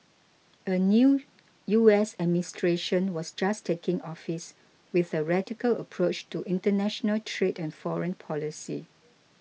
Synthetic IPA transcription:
ʔənju | juɛsɛd̚ministɹeʃə̃nwɔsd͡ʒastʰekɪ̃ŋɔfis | wɪθəɹɛdikələ̰pʰɹot͡ʃtuʔĩntənɛʃənəltʰɹedɛ̃nfɔɹə̃npʰɔlisḭ

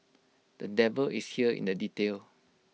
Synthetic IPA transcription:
d̥ədɛvəlḭshiəḭ̃ndəditel

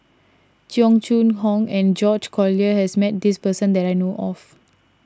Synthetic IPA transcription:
t͡ʃʰjɔ̃ŋt͡ʃũnɦɔ̃ŋɛ̃nd͡ʒɔd͡ʒkʰɔliəhɛsmɛt̚dispəsə̃ndɛtajnoʔɔ̰f

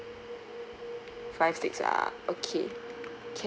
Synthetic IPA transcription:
faɪv̥sɪksa̰ʔokʰḛkʰe

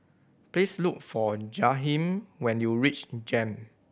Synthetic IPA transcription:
plesluk̚fɔd͡ʒaɦĩmwɛ̃njuɹit͡ʃd͡ʒɛ̃m

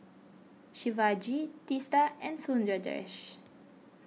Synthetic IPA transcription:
ʃivad͡ʒit̪ist̪aɛ̃nsũnd͡ʒəd͡ʒə̰ɹɛ̰ʃ

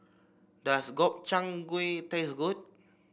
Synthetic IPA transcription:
dasɡɔp̚t͡ʃaŋɡwet̪esɡut̚

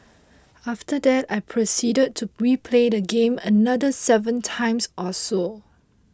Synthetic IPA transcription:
aftədɛtajpʰɹosidəd̚tʰːuɹipʰledəɡẽmənadəsɛvə̃ntʰãɪ̃msɔso

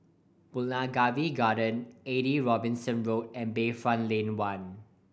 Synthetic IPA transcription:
b̥ulnaɡaviɡadə̃neɾiɹɔbɪ̃nsə̃nɹot̚ɛ̃nbeːfɹãnlẽnwãn

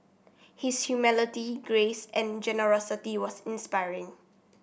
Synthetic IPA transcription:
hɪshjumɪlɪtiɡɹesɛ̃nd͡ʒɛnəɹɔsitiwɔsɪ̃nspaɪɹɪ̃ŋ

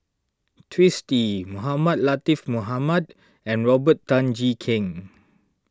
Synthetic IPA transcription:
tʰɹistimuɦamad̚lat̪ifmuɦamad | ɛ̃nɹɔbətːãnd͡ʒikʰɪ̃ŋ

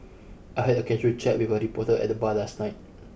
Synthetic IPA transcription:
ʔajɦɛdəkɛd͡ʒət͡ʃɛt̚wiwəɹipɔtədɛ̰t̚dəbalasnaɪt̚

